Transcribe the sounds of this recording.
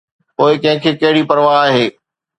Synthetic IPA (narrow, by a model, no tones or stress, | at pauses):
poːɪkɐ̃ɦɪ̃kʰeːkɐɦɪɽipɐɾʋaːɦeː